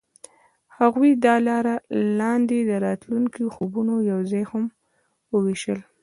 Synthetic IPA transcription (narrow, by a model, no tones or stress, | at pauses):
haɣwid̪ɑlɑɾalɑnd̪ed̪əɾɑt̪luŋkijoxobunojawzɑjham | wəwiʃəl